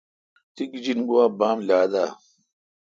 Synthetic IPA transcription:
t̪ikd͡ʑinɡuwaːbaːmlaːd̪aː

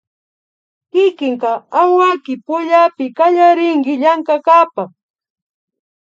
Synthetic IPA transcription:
kɪkɪŋkaawakɪpʊʎapɪkaʎaɾɪŋkɪʎaŋkakapaχ

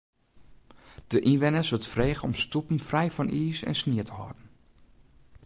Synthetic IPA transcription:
d̥əʔinʋɪnəsʋətfreːɣəɔmstupən̩frɛjfɔnʔiːsɛ̰nsniətʰəhɔ̰ːdn̩

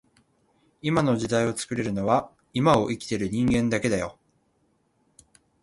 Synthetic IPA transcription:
imano̞ʑid̪aio̞t͡sɨ̥kɯ̟ɾe̞ɾɯ̟noβa | imao̞ʔikʲi̥t̪e̞ɾɯ̟ɲ̟ĩŋɡẽ̞nd̪ake̞d̪ajo̞̰

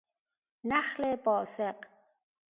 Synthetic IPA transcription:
naχlebɔːseq

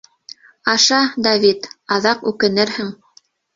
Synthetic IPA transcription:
ɑʃɑd̪avʲit̪ɑðɑqʉkɘ̆nɘɾhɘŋ

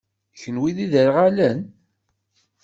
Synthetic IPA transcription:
çənwiðiðəɾʁalən

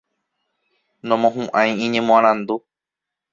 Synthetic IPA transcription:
nõmõɦũʔãj̃ĩɲẽmõãɾ̃ãnd̪u

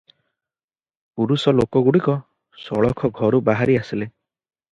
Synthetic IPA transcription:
puɾusɔlokɔɡuɽikɔ | sɔɭɔkʰɔɡʱɔɾubaɦaɾiasile

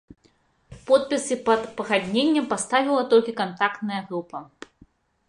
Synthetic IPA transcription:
pɔt̪̚pʲisɨpɐt̪pɐɣad̪ʲnʲenʲːɛmpast̪avʲilˠɐt̪ɔlʲkʲikant̪akt̪nɐjɐɣɾupɐ

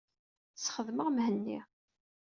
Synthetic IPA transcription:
sχəðməʁmhənːḭ

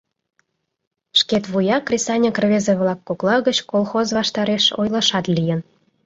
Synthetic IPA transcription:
ʃket̪βujɑkrʲesɑnʲəkrβezeβlɑkːoklɑɣət͡ɕkolˠxozβɑʃt̪ɑɾeʃo̰jlɑʃɑt̪lʲijən

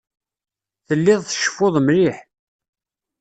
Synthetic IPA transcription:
θəlːɪðˤθə̥ʃːə̥foʊðˤmɾiħ

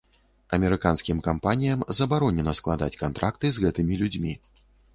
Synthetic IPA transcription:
ɐmʲɛɾɨkanskʲimkampanʲijɐmzɐbaɾɔnʲɛnɐsklˠad̪a̰t͡sʲkant̪ɾakt̪ɨzɣɛt̪ɨmʲilʲud͡zʲmʲi

